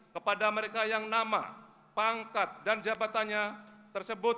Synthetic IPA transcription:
kəpadaməɾekajaŋnama̰ | pəaŋkat̪̚dand͡ʒabat̪anɲat̪ərsəbʊt̪̚

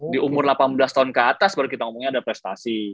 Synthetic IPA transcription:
diʔumʊrlapanbəlast̪aɦʊnkəat̪asbaɾukit̪aŋumuŋɲaːdapɾɛst̪asi

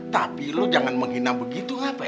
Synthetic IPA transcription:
t̪apilod͡ʒaŋanməŋɦinabəɡit̪uapa

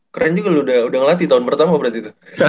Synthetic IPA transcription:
kəɾand͡ʒuɡaluudaudaŋəlat̪it̪aɦʊnpərt̪amapbəɾat̪it̪u

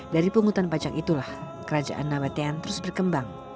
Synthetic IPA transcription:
daɾipuŋut̪anpad͡ʒakit̪ulah | kəɾad͡ʒa̰ʔa̰nːabat̪eant̪əɾʊsbərkəmbaŋ

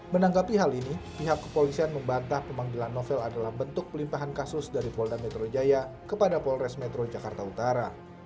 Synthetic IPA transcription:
mənaŋɡapiɦalinipiɦakːəpolisianməmbant̪ahpəmaŋdilanːofɛladalahbənt̪ʊk̚pəlimpaɦankasʊsdaɾipɔldamɛt̪ɾod͡ʒajakəpadapɔlrɛsmɛt̪ɾod͡ʒakart̪aut̪aɾa

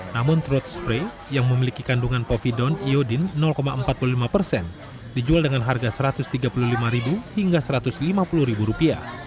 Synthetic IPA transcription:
namʊnt̪ɾɔt̪̚spɾe | jaŋməmilikikanduŋanpofidɔniodɪnːɔlkomaəmpat̪̚pululimapərsɛn | did͡ʒualdəŋanɦarɡasəɾat̪ʊst̪iɡapuluhlimaɾibuhiŋɡasəɾat̪ʊslimapuluhɾibuɾupia̰

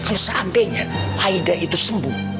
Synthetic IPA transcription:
kalosampɛɲaaidaʔit̪usəmbu

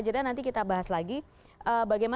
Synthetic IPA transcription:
d͡ʒadanant̪ikit̪abaɦaslaɡi | ʔəbaɡajma

